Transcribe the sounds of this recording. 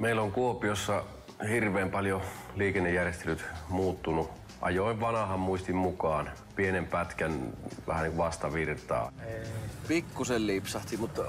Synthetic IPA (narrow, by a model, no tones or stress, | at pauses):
meilːoŋkuopiosːɑ | hirʋeːmpɑljo | liːkenːejærjest̪elyt̪muːt̪ːunu | ʔɑ̰joˑiʋʋɑnɑhɑmmuist̪immukɑːn | pienempæt̪kænʋæ̰hæniŋkuʋɑst̪ɑʋirt̪ɑ̰ː | pikːusellipsɑht̪imut̪